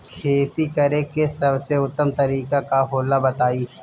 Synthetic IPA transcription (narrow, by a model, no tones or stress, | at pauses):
kʰeːt̪ikəɾekesɐbseʊt̪ːəmt̪ɐɾiːkakaɦoːlabɐt̪aːiː